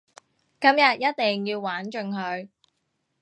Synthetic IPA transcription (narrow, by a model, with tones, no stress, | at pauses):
kɐ˥mjɐ˨t̚jɐ˥t̚t̪e˨ŋjiː˧wːaː˨˥nt͡ʃɵ˨˧ŋɦɵ˧ɥ